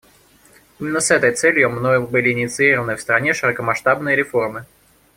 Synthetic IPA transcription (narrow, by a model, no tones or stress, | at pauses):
imʲɪnːəsɛt̪əjt̪sɛlʲjʊmnojʊbɨlʲɪɪnʲɪt̪sɨiɾəvənɨfst̪ɾɐnʲeʂɨɾɐkəmɐʂt̪abnɨjəɾʲɪformɨ